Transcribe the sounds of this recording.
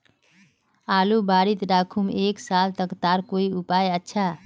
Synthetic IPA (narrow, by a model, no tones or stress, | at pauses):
aːlubaːɾit̪ɾakʰumeːksalt̪əkt̪aɾkoiupajətːʃʰa